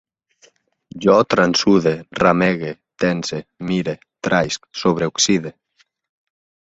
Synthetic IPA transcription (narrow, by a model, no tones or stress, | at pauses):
ʒɔt̪ɾansuðerameɣet̪ɛnsemiɾe | t̪ɾajsksoβɾeuksiðe